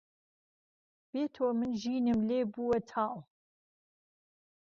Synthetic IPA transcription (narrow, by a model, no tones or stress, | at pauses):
b̥eːt̪ʰoːmɨnʒiːnɨmleːbuwɐt̪ʰaːʔw